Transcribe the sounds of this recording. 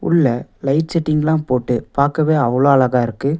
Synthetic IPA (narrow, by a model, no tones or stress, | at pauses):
ʊ̰ɭːɐlɐɪʈsɛʈːɪŋɡlãːpoːʈːɯpaːɾkɐʋeːɐʋɐloːɐlɐɣaːɪɾɯkːɯ